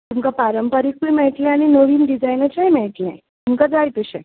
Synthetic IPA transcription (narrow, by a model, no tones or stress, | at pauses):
t̪umkapaɾəmpəɾik̚ʋumɛɭʈlɛ̃aɽ̃inoʋiːnɖid͡zajnət͡ɕajmɛɭʈlã̰ | t̪umkad͡zajt̪əɕɛ̰